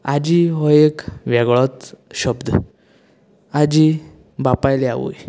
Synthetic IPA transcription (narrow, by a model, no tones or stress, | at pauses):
ad͡ʑiɦɔjekʋɛɡɭɔt̪ɕəbd̪ | ad͡ʑi | bapajlea̰ʋṵj